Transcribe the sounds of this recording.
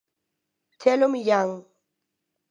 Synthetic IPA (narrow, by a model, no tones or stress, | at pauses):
tʰɛlomjaŋ